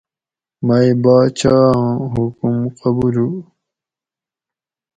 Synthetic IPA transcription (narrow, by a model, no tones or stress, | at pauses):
mɐjibaːt͡ɕʰãːɦukumqʌbulu